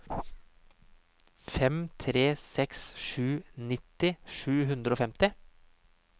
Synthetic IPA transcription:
fɛmt̪ʰɾeːsɛksʃʉːnɪt̪ɪʃʉːɦʉnd̪ɾəoːfɛmt̪ɪ

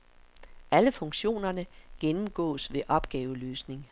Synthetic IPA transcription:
ʔæləfɔ̽ŋɕo̝̰ːnɐnəɡ̥enm̩ɡ̥ɔ̰̽ːsʋe̝ʔɒ̽b̥ɡ̥ɛːʊəløːsne̝ŋ

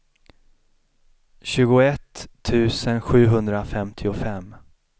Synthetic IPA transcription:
ɕʉ̟ːɡʊɛt̪ʰːʉ̟ːsənɧʉ̟ːɦɵnd̪ɾafɛmt̪ʰɪʊfɛm

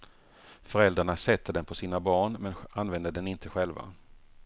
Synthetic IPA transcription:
fœɾɛld̪ɾaɳasɛt̪ʰːəd̪ɛnpʰɔsiːnabɑːɳmɛnanvɛnd̪əd̪ɛnɪnt̪ʰəɧɛlva̰

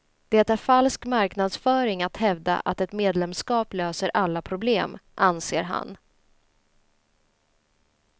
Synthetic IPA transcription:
d̪̥ɛt̪æɾfalskmaɾknad̪sfœːɾɪŋat̪hɛvd̪a̰ʔat̪ɛt̪meːd̪lɛmskɑːpløːsəɾʔalːapʰɾʊbleːmʔanseːɾɦa̰n

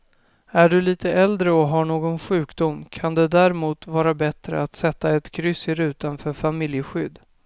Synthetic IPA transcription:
æɖɵliːt̪əɛld̪ɾəɔɦaɳoːɡɔnɧʉ̟ːkd̪ʊmkʰand̪ɛd̪æɾɛmuːt̪vɑːɾabɛt̪ɾə̰at̪sɛt̪ːaɛt̪kʰɾʏsːɪɾʉ̟ːt̪anfœɾfamɪljəɧʏd̪

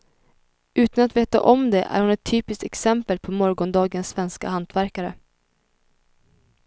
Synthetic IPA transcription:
ʔʉ̟ːt̪anat̪veːt̪a̰ʔɔmd̪ɛʔæ̰ɾhʊnɛt̪ʰːyːpɪst̪ɛksɛmpəlpʰɔmɔɾɡɔnd̪ɑːɡənsːvɛnska̰hant̪ʰvæɾkaɾə

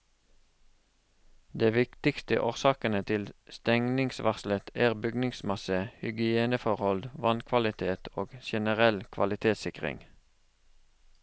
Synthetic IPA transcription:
d̪eːʋɪkt̪ɪkst̪ə̰ʔoːʁsɑːkənət̪ʰɪlst̪ɛŋnɪŋsʋʔɑʁslət̪ʰæːʁbʏɡnɪŋsmɑsəhʏɡɪeːnəfɔʁhɔld̪ʋɑnkʰʋɑlɪt̪ʰeːt̪ʰoːɡʃɛnəʁɛlkʰʋɑ̰lɪt̪ʰeːt̪sɪkʁɪ̰ŋ

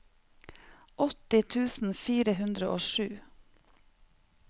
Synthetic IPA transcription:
ʔɔt̪ɪt̪ʰʉːsn̩fiːɾəhʉnd̪ɾəʔoːʃʉː

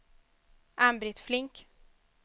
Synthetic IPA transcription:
ʔambɾɪt̪flɪŋk

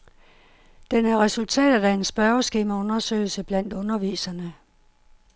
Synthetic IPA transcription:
d̥enæɐʁɛsult͡sʰɛ̰ːd̥ɐdæe̝nsb̥ɶɐosɡ̥e̝ːmæɔ̽nɐsø̰ɪ̰l̩səb̥læn̰d̥ɔ̽nɐʋḭːsɐnə

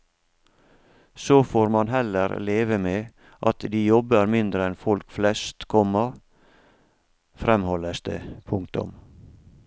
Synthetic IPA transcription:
soːfoːɾmɑnɦɛləɾleːʋəmeː | ʔɑt̪d̪iːjɔbəɾmɪnd̪ɾəɛnfɔlkflɛst̪kʰɔmɑ | fɾɛmhɔləst̪ʰə̰pʰʊŋkt̪ʊ̰m

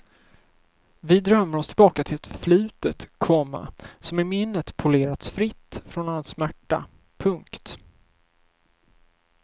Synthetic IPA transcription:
vɪd̪ɾœmːəɾɔst̪ʰɪlbɑːkat̪ʰɪlɛt̪flʉ̟ːt̪ət̪kʰɔmːa̰sɔmɪmɪnːət̪pʰʊleːɾat̪sfɾɪt̪ːfɾɔnalsmæʈːa̰ | pʰɵŋkt̪

